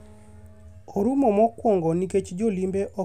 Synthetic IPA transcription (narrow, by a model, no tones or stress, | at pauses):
oɾumomɔkwɔŋɡɔniket͡ʃd͡ʒolimbeʔɔ